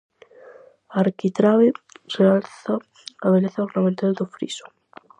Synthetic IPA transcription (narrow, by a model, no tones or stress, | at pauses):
aɾkit̪ɾaβerealθa | aβeleθaoɾnamẽnt̪eld̪ofɾḭso̥